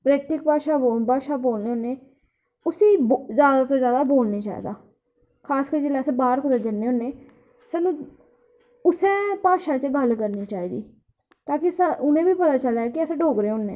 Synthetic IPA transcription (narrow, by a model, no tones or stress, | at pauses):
pɾɛːk̚ʈɪk̚paːʃaːobaːʃaːboːlneːoːneː | ʊseːbzjaːd̪aːt̪oːzjaːd̪aːboːlneːt͡ʃa̰ːḭːd̪aː | kʰaːskəɾd͡ʒeːlɛːsẽbaːɾkʊd̪əd͡ʒənːeːõːnːeː | saːnũː | ʊsẽːpaːʃaːt͡ʃəɡəlkəɾniːt͡ʃaːiːd̪iː | t̪ãːkɪsaʊnẽːbiːpət̪aːt͡ʃəlaːkɪəsẽːɖoːkɾeːɦoːnːḛ̃ː